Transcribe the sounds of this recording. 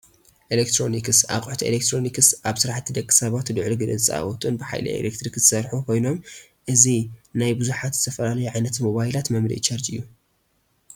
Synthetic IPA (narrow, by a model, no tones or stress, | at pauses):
ʔelek̚t̪ʰɾo̞nikɨsa̰kʼuħt̪ʰiḛlekt̪ʰɾo̞nikɨsʔaβsɨɾaħt̪ʰːid̪ɐkʼːɨ̥sɐβat̪d̪ɨʕluɡɨd̪ɐ̰t͡sʼa̰wɔt̪ʼunbɨħa̰jlɐ̰ʔḛlek̚t̪ɾikzɨsɐɾħukʰo̞jno̞m | ʔɨzinajbɨzuħat̪z̥ɨt̪ʰɐfɐlalɐjuʕajnɐt̪mo̞βajilat̪mɐmɾḭʔt͡ʃɐɾd͡ʒɨ̰jːu